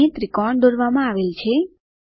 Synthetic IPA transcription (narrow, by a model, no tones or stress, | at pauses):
et̪ɾikɔɾɳd̪oɾʋamãaʋelt͡ʃʰe